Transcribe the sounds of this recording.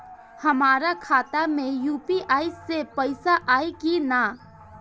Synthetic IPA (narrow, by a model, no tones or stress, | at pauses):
hɐmaːɾakʰaːt̪amẽjuːpiʔaːɪsːepəɪsaʔaːekina